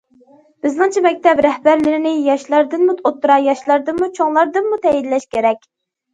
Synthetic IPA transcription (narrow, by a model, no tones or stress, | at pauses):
b̥ɪznɨŋt͡ʃʰɛmɛk̚ʲt̪ʰɛpɾɛhbæɾlɪɾɪnɪjɑʃlˠɑɾd̪ɨnmut̪ʰot̪ʰːuɾɑjɑʃlˠɑɾd̪ɨnmut͡ʃʰoŋlˠɑɾd̪ɨnmut̪ʰɛjid̪lɛʃkʲʰeɾɛkʲ